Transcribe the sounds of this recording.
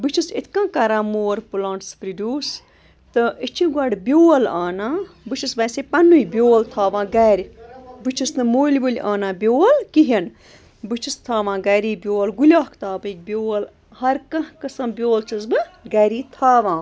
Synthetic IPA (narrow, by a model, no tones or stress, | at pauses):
bɨt͡ʃʰisḭt̪ʰkãːkɐɾãːmoːɾpulãːɳʈspɾid̪ʲuːs | t̪ɨʔit͡ʃʰiɡɐɽbʲjoːlaːnãː | bɨt͡ʃʰisbɐːsepɐnujbʲjoːlt̪ʰaːʋãːɡɛːɾʲbɨt͡ʃʰisnɨmoːlʲʋulʲʔaːnãːbʲoːlkiɦɐn | bɨt͡ʃʰist̪ʰaːʋãːɡɐːɾiːbʲoːlɡulʲaːkʰt̪aːbɨk̚bʲjoːl | hɐɾkɐkɐsɐmbʲjoːlt͡ʃʰɐzbɨɡɐːɾiːt̪ʰaːʋãː